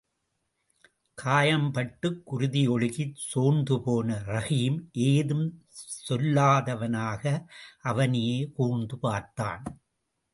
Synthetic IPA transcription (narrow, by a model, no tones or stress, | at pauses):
kʰaːjɐmpɐʈːɯkːʊɾʊðɪɔɭɯɣɪsoːnd̪ɯpoːnɐɾɐɣiːmʔeːðɯm | sɔlːaːðɐʋɐnaːɣɐʔɐʋɐnɪjeːkuːnd̪ɯpaːɾt̪a̰ːn